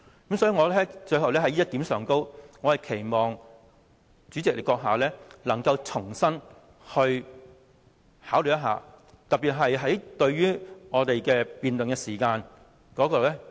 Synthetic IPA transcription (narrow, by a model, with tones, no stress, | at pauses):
kɐ˨˥msɔː˥i˨˧ŋɔː˨˧lɛː˥t͡ʃɵ˧ɥhɦɐ˨˩wlɛː˥hɐ˨˥jt̪iː˨˥msœː˨ŋko˥wŋɔː˨˧hɐ˨jkʰe˨˩jmɔː˨˩ŋ | t͡syː˨˥t͡sɪ˨k̚le˨˩kːɔː˧k̚ɦaː˨˩lɛː˥lɐ˨˩ŋkɐ˧wt͡sʰʊ˨˩ŋsɐ˥n | hɵ˧ɥ | haː˨˥wly˨˩jɐ˥ɦa̰ː˨˩ | t̪ɐ˨˩pːiː˨t̚ɦɐ˨jɦɐ˨˥jt̪ɵ˧ɥɥyː˥ŋɔː˨˧t̪e˨jkɛː˧piː˨nt̪ɵ˨nŋkɛː˧siː˨˩kaː˧n | kɔː˨˥kɔː˧lɛː˥